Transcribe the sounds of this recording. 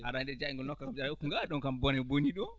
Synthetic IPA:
ha̰ɾandɛd͡ʒaiŋɡɔnɔkːakamd͡ʒaɾaukːuŋɡaɗɔŋkambɔnɛboniɗɔ

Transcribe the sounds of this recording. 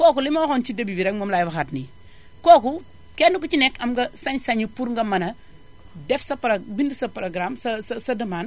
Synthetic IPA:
kɔːkulimɐxɔnt͡ʃidɐbibiɾekmomlajbɐxatni | kɔːku | kɛnukut͡ʃinɛkɐmɡɐsaɲsaɲipuɾŋɡɐmɐnɐ | dɛfsɐpɾɐbindisɐpɾoɡɾamsɐsɐsɐdɐman

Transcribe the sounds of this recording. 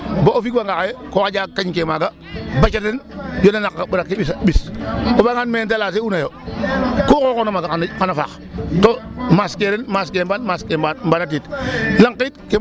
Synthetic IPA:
boofikwaŋɡakajekokad͡ʒakːaɲkemaɡa | bat͡ʃatinjonanakkabuɾakːebisbiskobaŋanmet̬alaːseunajo | kokokonamaɡankanafa̰x | tomaskeɾenmaskeːmbanmaskeambanat̬itlaŋkitke

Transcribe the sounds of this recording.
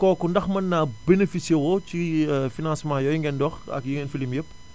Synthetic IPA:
kɔkundɐxmɐnːaːbenefisjewɔcifinãːsmãːjɔjiŋɡɛndɔxɐ̰kjiŋɡɛnfilimjɐpː

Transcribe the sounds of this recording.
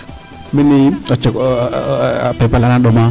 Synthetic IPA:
miniat͡ʃək | pepalanaɗoma

